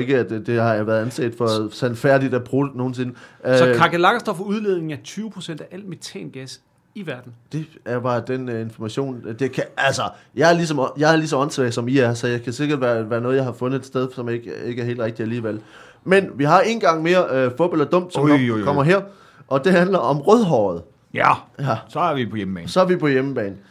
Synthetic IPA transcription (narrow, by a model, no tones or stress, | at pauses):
e̝ɡ̥əæd̥d̥e̝hɑ̈ʋæːɐðˠænsɛ̰ːd̥fɒsænfæɐ̰d̥id̥æb̥ʰʁoːd̥ə̥no̝ːn̩sinəkʰɑ̈ɡ̥elɑ̈ɡ̥ɐsd̥ɒfuð̞ˠle̝ð̞ˠne̝ŋ̩æɐt͡sʰyːʊəpʰʁosen̰d̥æʔæl̰met͡sʰɛ̰ːnɡ̥æs | iʋæɐd̥n̩d̥e̝æɐb̥ɑ̈ːd̥ene̝nfɒmæɕo̝̰ːnd̥e̝kʰæælsɐjɑ̈ɪæɐlis̬ɒ̽mjɑ̈ɪæɐlisɒ̽mɒ̽nsʰɛːsɒ̽miæɐsɒjɑ̈ɪkʰæse̝ɡ̥ɐd̥ʋæʋæːɐnɔ̽ːð̞̩ˠjɑ̈ɪhɑ̈fɔ̽nð̩ˠe̝d̥sd̥eð̞ˠsɒ̽meɡ̥e̝ɡ̥æɐɦe̝ːl̥ʁeɡ̥̚iæliːʋel̰ | menʋiɦɑ̈e̝ːnɡ̥ɑ̈ŋ̰me̝ːɐøfɔ̽b̥elɐd̥ɔ̽m̰d̥sɒmkʰɒ̽m̰ɐɦeɐ̰ | ʔɒ̽d̥e̝hænlɐɒ̽mʁœðˠɦɒ̰ːð̞̩ˠ | jææsɒæɐʋipʰɒjemb̥ɛːnsɒ̽æɐʋipʰɒ̽jeməb̥ɛ̰ːnn̩